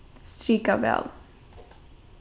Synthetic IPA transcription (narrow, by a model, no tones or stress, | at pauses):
st̪ɾyːkavɛ̰ːl